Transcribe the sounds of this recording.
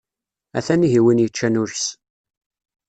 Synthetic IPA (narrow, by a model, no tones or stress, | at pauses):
æ̰θæniɦiwinjət͡ʃːænʊɾçs